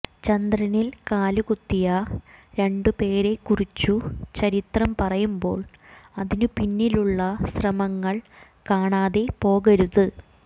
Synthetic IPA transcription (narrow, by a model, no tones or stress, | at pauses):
t͡ɕɐnd̪rɐnilkaːluɣut̪ːijɐɾe̞ɳɖɨpe̞ːɾe̞kːurit͡ɕːut͡ɕɐɾit̪rɐmpɐrɐjumbo̞ːɭɐðinupinːiluɭːɐɕrɐmɐŋːɐɭ | kaːɳaːðe̞po̞ːɣɐɾuðɨ